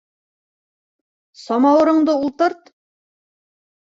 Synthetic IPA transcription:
sɒmɑwɤ̆ɾɤ̆ɴd̪ɤulˠt̪ɤɾt̪

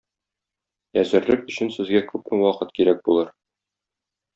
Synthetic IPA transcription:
æzɘ̆ɾlɘkɵ̆ɕɘnsɘ̆zɡækʉpmɘwɒqɤt̪̚kiɾæk̚bulˠɤɾ

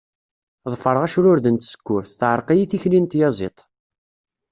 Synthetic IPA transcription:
ðˤfəɾˤʁæʃɾʊɾðənt̪sə̥kːʊɾθːʕəɾˤqijiθiçlint̪jɑzˤḛt̪ˤ

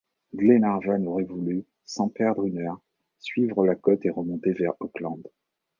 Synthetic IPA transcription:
ɡlenaʁvanɔʁɛvuly | sɑ̃pɛʁd̪ʁynœʁ | sɥivʁəlakɔt̪eʁəmɔ̃t̪evɛʁɔklɑ̃d̪

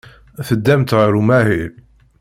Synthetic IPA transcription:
θəd̪ːæmt̪ʁəɾumæɦil

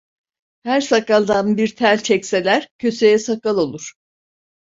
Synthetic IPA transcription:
hæɾsakalˠd̪anbiɾt̪ʰælʲt͡ʃʰɛcse̞lʲæɾ̥cʰø̞se̞jɛsakalˠolˠuɾ̥

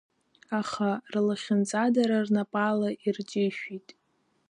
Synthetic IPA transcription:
aχarlaχʲɪnt͡sʼadaɾarnapʼalaʔirt͡ʃʼɪʃᶣitʼ

